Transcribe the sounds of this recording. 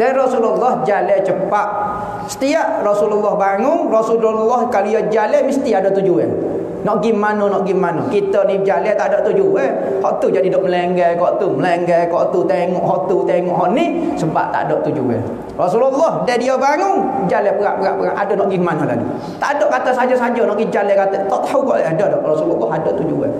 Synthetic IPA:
dɛnrɔsululːɔhd͡ʒalɛt͡ʃəpaʔ | sə̥t̪iaʔrɔsululːɔhbaŋʊŋrɔsululːɔhkalujɔd͡ʒalɛmist̪iadɔt̪ud͡ʒuɛ̰ | nɔʔɡimːanɔnɔʔɡimːanɔkit̪ənid͡ʒalɛt̪aʔdɔʔt̪ud͡ʒuɛ | hɔʔt̪ud͡ʒadidɔʔməlɛŋɡɛkɔʔt̪uməlɛŋɡɛkɔʔt̪ut̪eŋɔʔɦɔʔt̪ut̪eŋɔʔɦɔʔni | səba̰p̚t̪a̰ʔdɔʔt̪ud͡ʒṵɛ̰ | rɔsululːɔhdɛdiobaŋuŋd͡ʒalɛpəɣa̰ʔpəɣa̰ʔpəɣa̰ʔa̰dɔnɔʔɡimːanɔla̰dḭ | t̪a̰ʔdɔʔkat̪əsad͡ʒɔsad͡ʒɔnɔʔɡimd͡ʒalɛkat̪ət̪ɔt̪aɦukɔʔadɔdɔʔrɔsululːɔɦadɔʔt̪ud͡ʒuɛ̰

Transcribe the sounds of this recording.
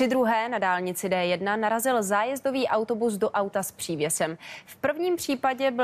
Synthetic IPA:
ɪd̪ɾuɦɛːnadaːlɲɪt͡sɪdɛːjɛdnanaɾazɪlzaːjɛzdo̞viːʔawt̪o̞bus̬do̞ʔawt̪aspr̥iːvjɛsɛmfpr̩vɲiːmpr̥iːpaɟɛbɪ

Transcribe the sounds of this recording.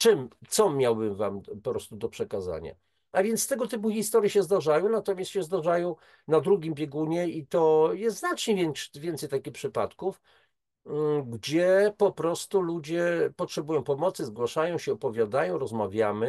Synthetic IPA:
t͡ʂɘmt̪sɔmʲjawbɘmva̰mpɔpɾɔst̪ud̪ɔpʂɛkaza̰ɲa̰ | avʲjɛnt̪st̪ɛɡɔt̪ɘp̬uxʲist̪ɔɾjɛɕɛzd̪aʐajɔ̃w̃nat̪ɔmʲjast̪ɕɛzd̪aʐajɔ̃w̃ | nad̪ɾuɡʲimbʲjɛɡuɲɛit̪ɔjɛst̪znat͡ʂɲɛvʲɛnvʲjɛnt̪sɛjt̪akʲixpʂɘpat̪kuf | ɡd͡ʑɛpɔpɾɔst̪ulud͡ʑɛpɔtʂɛbujɔ̃w̃pɔmɔt̪sɘzɡwaʂajɔ̃w̃ɕɛɔpɔvʲjad̪ajɔ̃w̃ɾɔzmavʲjamɘ

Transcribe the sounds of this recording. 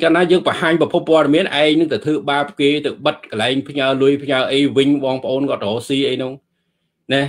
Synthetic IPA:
kaːnaːjəːŋpəhaːɲprɑpʰupːoəɗɑmiənʔaɛŋ̚nɨŋt̪at̪ʰɨːɓaːp̚keːt̪ɨwɓət̪̚kəlaɛŋpʰɲaəlʊəjpʰɲaəʔəjʋɨɲɓɑːŋpə̆ʔoːnkɔ̆ət̪̚roːsiːʔəjnɨŋ | nɛ

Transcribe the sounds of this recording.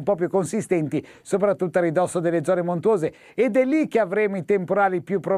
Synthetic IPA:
mpɔp̬jukːonsist̪ɛnt̪i | sop̬ɾat̪ːut̪ːoaɾid̪ɔsːod̪elːed̪zɔːnemont̪woːzeː | d̪ɛlːikːeavɾeːmoit̪empoɾaːlipjupːɾo

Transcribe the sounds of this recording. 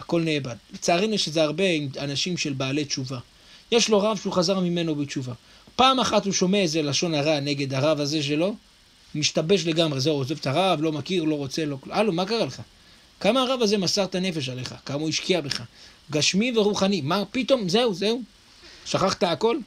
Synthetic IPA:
ako̞lne̞ːbad̪let͡saːʁinueʃezeaʁbe̞imanaʃimʃe̞lbaːle̞t͡ʃuva | je̞ʃlo̞ʁavʃeuχazaʁmime̞no̞bet͡ʃuva | paːmaχathuʃo̞meaezelaʃo̞naʁane̞ɡe̞d̪aʁavaze̞ʃ̬e̞lo̞ | miʃtabe̞ʃ̬le̞ɡamʁeze̞uoze̞vt̪aʁavlo̞makiʁlo̞ʁo̞t͡se̞lo̞kalumakaʁaleχa | kamaːʁavaze̞masaʁt̪ane̞fe̞ʃale̞χa̰kamauiʃkiabe̞χa | ɡaʃmive̞ʁuχanimapit̪o̞mze̞uze̞u | ʃaχaχt̪aːko̞l

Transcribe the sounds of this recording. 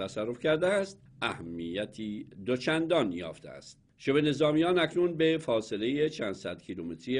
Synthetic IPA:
æsærːofcʰæɾd̪eæst̪̚ | ʔæhæmːijæt̪ʰiːd̪o̞t͡ʃʰænd̪ɒːnjɒ̰ːft̪ḛæ̰st̪̚ | ʃebene̞zɒːmijɒːnæcʰnunbe̞fɒːse̞le̞jet͡ʃʰænd̪sæd̪̥kʰilumet̪ɾie

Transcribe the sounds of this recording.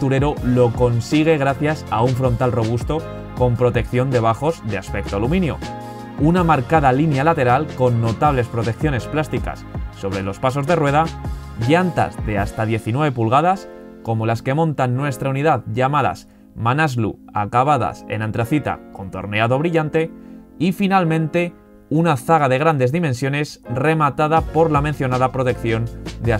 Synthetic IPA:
t̪uɾe̞ɾolo̞ko̞nsiɣ̞e̞ɣ̞ɾaθjasauɱfɾo̞nt̪alro̞β̞ust̪o̞ | ko̞mpɾo̞t̪e̞kθjo̞nd̪e̞β̞axo̞zðeaspe̞k̚t̪oalumĩnjo̞̰ | unamaɾkaðalinjalat̪e̞ɾalko̞nːo̞t̪aβle̞spɾo̞t̪e̞k̚θjo̞ne̞splast̪ika̰sːo̞β̞ɾe̞lo̞spaso̞zðe̞rwe̞ðaʝant̪a̰zðe̞ast̪aðje̞θinwe̞βe̞pulɣað̞as | ko̞mo̞laskemõ̞nt̪anːwe̞st̪ɾauniðaðʝamaða̰s | manazlṵa̰kaβaða̰se̞̰nãnt̪ɾaθit̪a̰ko̞nt̪o̞̰ɾne̞aðo̞β̞ɾiʎant̪e̞ifinalmẽ̞nt̪e̞ | unaθaɣ̞aðe̞ɣ̞ɾand̪e̞zðimẽnsjo̞ne̞sre̞mat̪aðapo̞ɾlamẽn̟θjo̞naðapɾo̞t̪e̞kθjo̞nd̪ea

